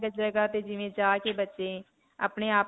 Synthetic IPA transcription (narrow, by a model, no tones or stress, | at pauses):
ɡəd͡ʒɾəɡaːt̪ed͡ʒɪʋẽd͡ʒaːkebətːʃe | ə̰pneaːp